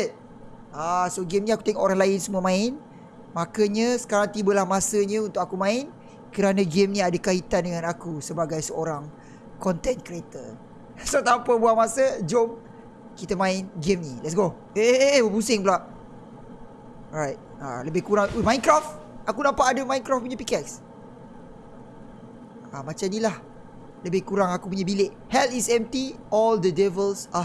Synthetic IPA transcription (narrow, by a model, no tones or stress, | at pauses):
t̚ | asoɡɛmniaku̥t̪ɛŋoʔoɾaŋlaɪnsəmuəmãɪn | makəɲəsə̥kaɾaŋt̪ibəlahmasəɲə̃unt̪ʊʔk̚akumãɪn | kəɾanə̃ɡɛmniadakait̪andəŋãnakusəbaɡajsəoɾaŋ | kɔnt̪ɛnkɾiet̪ə | sot̪ampəbuamasəd͡ʒom | kit̪əmãɪnd͡ʒɪmnilɛts̬ɡo | eeeewəpusɪŋbəlaʔ | ɹajt̚a̰ləbɪhkuɾaŋimãjnkɾaft̪̚akunãmpaʔadəmãjnkɾafp̬uɲapikɛks | amat͡ʃanilah | ləbɪhkuɾaŋakupuɲabileʔhɛlisɛmt̪iɔld̪ədɛvəlsa